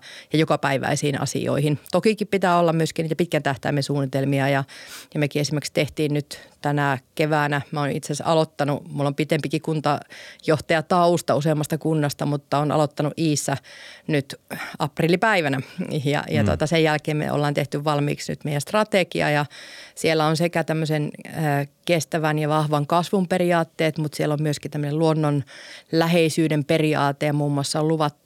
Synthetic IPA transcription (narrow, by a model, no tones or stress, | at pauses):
jɑjokɑpæiʋæ̰isiːnɑ̰sḭo̰ihint̪okikippit̪æːolːɑmmyøskiniːt̪æpit̪kænt̪æht̪æimːensuːnːˑit̪elmiɑjɑjɑmekiesimːerkst̪eht̪iːnnyt̪t̪ænækeʋæːnæmoːnḭt̪sesɑ̰lot̪ːɑnumulːompit̪empikikunt̪ɑjoht̪ɑjɑt̪ɑust̪ɑuseːmːɑst̪ɑkunːɑst̪ɑmut̪ːɑonɑ̰lot̪ːɑnuʔiːsːænyt̪ɑpriːlipæiʋænæjɑ̰jɑt̪uo̰t̪ɑsejælkeːmmḛʔo̰lːɑːnt̪eht̪yʋʋɑlmḭːksny̰t̪meijˑænst̪rɑt̪ekiɑ̰jɑsielːæonsekæt̪æmːøsenəːkest̪æʋænjɑʋɑhʋɑŋkɑsʋumperiɑːt̪ːeːt̪mut̪sielːommyøskit̪æmːøneluonːonlæheisyːdemperiɑ̰ːt̪ːˑejɑmuːmːuɑsːɑoluʋɑt̪ːu̥